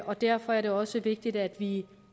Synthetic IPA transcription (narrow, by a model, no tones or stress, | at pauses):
ʔɒ̽d̥æɐfɒ̽æɐɾe̝ɒ̽səʋe̝ɡ̥̚d̥id̥æd̥ʋi